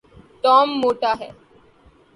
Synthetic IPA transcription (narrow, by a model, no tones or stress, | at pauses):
ʈɔːmːoːʈaɦɛː